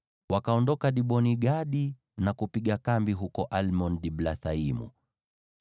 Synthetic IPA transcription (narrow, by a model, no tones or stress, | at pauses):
wakaɔndɔkaɗiɓɔniɡaɗi | nakupiɠakambiɦukɔʔalmɔnɗiɓlaθaimṵ